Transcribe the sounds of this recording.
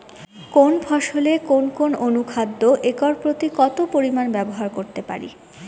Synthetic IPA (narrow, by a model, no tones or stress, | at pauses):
konbʱɔʃolekonkononukʰad̪ːoʔekɔɾpɾot̪ikɔt̪opoɾimanbɛboɦaɾkoɾt̪epa̰ɾḭ